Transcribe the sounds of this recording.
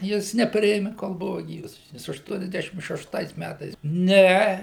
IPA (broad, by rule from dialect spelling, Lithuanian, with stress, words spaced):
ˈjɪs nʲɛˈpʲrʲɪeːmʲɪ koːlˠ ˈbʊʋɐ ˈɡʲiːʋɐs ˈjɪs ɐʃˌtuɔnʲɛzʲˈdʲæːʃʲɪm ʃʲɛʃˈtɐɪs ˈmʲætɐɪs ˈnʲɛ